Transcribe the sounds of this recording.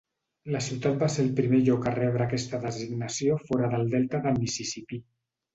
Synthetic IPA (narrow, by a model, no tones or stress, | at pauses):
ləsiwt̪at̪̚baseɾəlˠpɾimeʎɔkarɛβ̞ɾəːkɛst̪əðəziɡnəsiofɔɾəðəlˠd̪ɛlt̪əðəlmisisipi